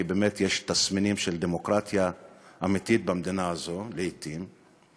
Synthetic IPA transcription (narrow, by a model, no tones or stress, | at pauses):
ibɛmɛt̪ːjɛːʃt̪ɐsmɪniːmʃɛld̪ɛmɔkɾaːt̪jɐʔɐmit̪iːt̪̚bɪmd̪inaːzolɪit̪ːiːm